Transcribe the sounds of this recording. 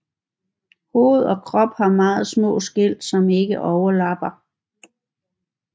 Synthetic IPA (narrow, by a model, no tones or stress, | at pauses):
ho̝̰ːð̞̩ˠɒ̽kʰʁɒ̽b̥hɑ̈mɑ̈ːð̞̩ˠsmɔ̰̽ːsɡ̥el̰d̥sɒ̽me̝ɡ̥əʔɒʊɐlɑ̈b̥ɐ